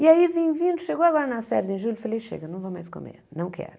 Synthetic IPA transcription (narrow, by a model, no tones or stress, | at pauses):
iɐibẽj̃vĩnd̪uʃeɣowɐɣɔɾɐnɐsfɛɾðẽj̃ʒulufɐleʃḛɣɐnɐ̃w̃vowmajʃko̰mḛɾnɐ̃w̃kʰɛ̰ɾʊ